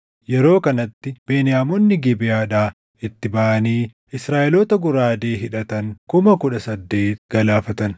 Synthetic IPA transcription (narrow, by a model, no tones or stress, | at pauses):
jɛɾo̞ːkɐnɐt̪ːɪb̥eːnɪjaːmɔnːɪɡɪbɪjaːᶑaː | ɪt̪ːɪbɐʔɐniː | ɪsɾaːʔɛlot̪ɐɡʊɾaːd̪eːɦɪᶑɐt̪ɐŋkʊmɐkʊᶑɐsɐd̪ːe̞ːt̪ɡ̥ɐlaːfɐt̪ɐn